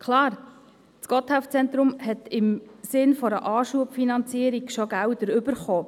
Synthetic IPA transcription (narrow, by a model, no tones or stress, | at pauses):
kʰlɑːɾ | t͡skɔt̪haʊft͡sɛnt̪ɾʊmhɛt̪ɪmsɪnfɔɾəʔɑːʃuəpfinɑnt͡siəɾikʃoɡæwdəɾʏbəɾχoː